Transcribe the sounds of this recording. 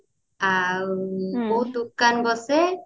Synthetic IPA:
awboɦut̪̚d̪ukanbɔse

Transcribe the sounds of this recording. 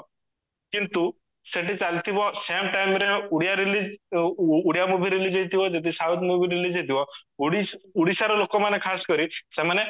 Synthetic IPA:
kint̪u | seʈit͡salt̪ʰiʋɔsemʈajmɾeuɽjaɾiliː | ɽijamubʱiɾilid͡ʒejt̪ʰiʋɔd͡ʒet̪̬isat̪mubʱiɾilid͡ʑet̪ʰiʋɔuɽiuɽisaɾɔlokɔmanekʰaskɔɾisɛmane

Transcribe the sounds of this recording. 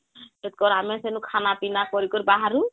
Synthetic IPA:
et̪̚kɔɾamɛsenukʰanapinakɔɾikɔɾibaɦaɾu

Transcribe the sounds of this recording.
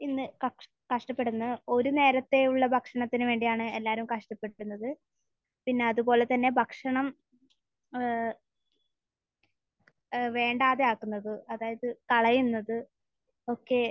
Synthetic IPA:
inːɨkɐ | kɐʂʈɐpːe̞ɽunːɐo̞ɾune̞ːɾɐt̪ːe̞uɭːɐbʱɐkʂɐɳɐt̪ːinɨʋe̞ːɳɖijaːɳɨe̞lːaːɾumkɐʂʈɐpːe̞unːɐðɨ | pinːe̞ɐðubo̞ːle̞t̪ɐnːe̞bʱɐkʂɐɳɐm | ʋe̞ːɳɖaːðeaːkːunːɐðɨɐðaːjɐðɨkɐɭɐjunːɐðɨ | o̞kːe̞

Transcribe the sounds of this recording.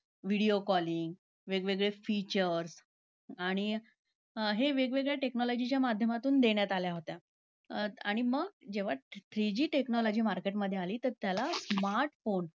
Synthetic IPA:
ʋiɽiokɔliŋɡ | ʋeɡʋeɡɭefit͡ɕəɾs | aɽ̃i | ɦeʋeɡʋeɡɭeʈeknɔlɔd͡ʑit͡ɕjamad̪ʱjəmat̪uːnd̪eɳjat̪aljaɦot̪ja | aɽ̃iməɡ̚d͡ʑeʋ̤aʈɾid͡ʑiːʈeknɔlɔd͡ʑiːmaɾkeʈməd̪ʱːjealiːt̪əɾt̪jalasmaɾʈfon

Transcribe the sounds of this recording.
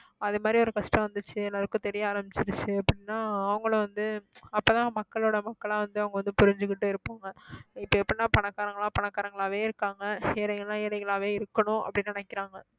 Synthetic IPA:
ɐðɯmaːd̪ɾiɔɾɯkɐʂʈɐ̃ʋɐnd̪ɯt͡ʃːɯɛlːaːɾɯkːɯ̃t̪ɛɾɪjaaːɾɐmbɪt͡ʃːɪɾɯt͡ʃːɯɛpːɐɽɪnːaːɐʋɐŋɡɐɭʋɐnd̪ɯɐpːoːt̪ãːmɐkːɐɭoːɽɐmɐkːɐɭãːʋɐnd̪ɯɐʋɐŋɡɐʋɐnd̪ɯpʊɾɪɲd͡ʒɯkːɪʈːɯɪɾɯpːaːŋɡɐɪpːɐɛpːɐɽɪnːaːpɐɳɐkːaːɾɐŋɡɐɭãːpɐɳɐkːaːɾɐŋɡɐɭaːʋeːɪɾɯkːaːŋɡɐɛɾɐɪɣɐɭãːɛɾɐɪɣɐɭaːʋeːɪɾɯkːɐɳʊ̃ɐ̰pːɐɽɪnːnɐnɛkːɪɾaːŋɡɐ

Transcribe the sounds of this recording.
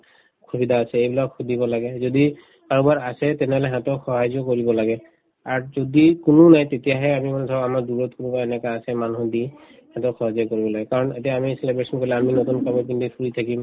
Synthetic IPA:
kʰubidaːsɛejbilakxʰudʱibɔlaɡɛzodi | kaɹɔbaɹasɛtɛnɛɦɔlɛɦɛ̃tɔxɔɦazɔkoɹibɔlaɡɛ | aɹzodikʊnʊnajtetijaɦɛamimantʰɔamaɹduɹɔtkunupaaɛnɛkaasɛmanuɦɔdi | hɛ̃tɔxɔɦazɔkoɹibɔlaɡɛkaɹɔnetijaamiselebɹesɔnkoɹilaaminotunkamɔpindipʰuɹitʰakim

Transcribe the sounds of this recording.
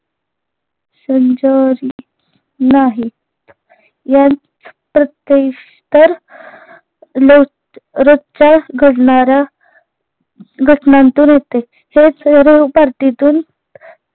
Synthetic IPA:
səɲd͡ʑəɾi | naɦi | jat͡s | pɾət̪jeɕ | t̪əɾ | lo | ɾot͡ɕaɡʱəɽɳaɾa | ɡʱəʈnant̪uːnjet̪e | het͡sɾewpaɾʈ̪it̪uːn

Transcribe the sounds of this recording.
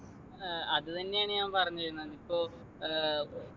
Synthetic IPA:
ɐðɨt̪ɐnːe̞jaːɳeaːmpɐrɐɲːut͡ɕɐunːɐnipːoː

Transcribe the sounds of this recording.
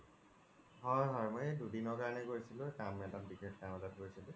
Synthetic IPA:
ɦɔjɦɔɹmɔjɛdudinɔɹkaɹnɛɡoɹisilʊkamɛtat̚biɡɹet̚kamɔzat̚ɡoɹisilʊ

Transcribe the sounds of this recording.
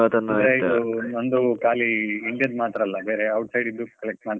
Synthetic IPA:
ɐt̪ɐnːaɾeid̪unond̪ukaːliːɳɖijɐd̪maːt̪ɾɐːlːɐbe̞ːɾeɐwʈsɐjɖid̪ɾukɐlek̚ʈmaː

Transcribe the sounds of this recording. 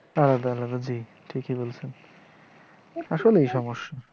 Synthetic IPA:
alːad̪aalːad̪ad͡ʑi | ʈʰikibolt͡ɕʰen | aʃolejʃɔmoʃːa

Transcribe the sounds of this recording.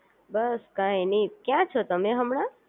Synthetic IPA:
bəskãenikjãt͡ʃʰot̪əmẽɦəmɳã

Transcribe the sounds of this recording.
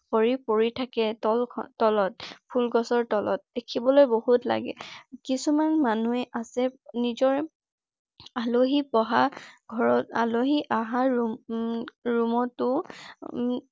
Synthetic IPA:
koɹipoɹitʰakɛtɔlʰtɔlɔt̚pʰulɡɔsɔɹtɔlɔ̰t̚d̥ekʰibɔlojbohutla̰ɡɛ̰kisumanmanuɛʔasɛnizɔɹ | aloɦipɔɦaɡʱɔɹɔta̰loɦiʔaɦaɹu | ɹumɔtʊ

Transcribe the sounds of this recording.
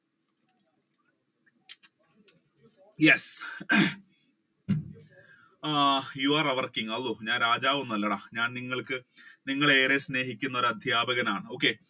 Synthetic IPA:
jes | juaːrɐʋɐrkiŋɐlːuɲaːnɾaːd͡ʑaːʋunɐlːɐɳɐɲaːnniŋːɐɭkɨniŋːɐɭe̞ːɾesne̞ːɦikʲːunːɐo̞ɾuɐd̪ʱjaːbɐɣɐnaːɳɨo̞ːkːe̞

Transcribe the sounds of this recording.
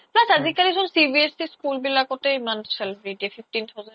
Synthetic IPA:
plasad͡ʑikaliʃʰonsibiesiskulbilakot̪emanselbɾiɖiefifʈint̪ʰawz

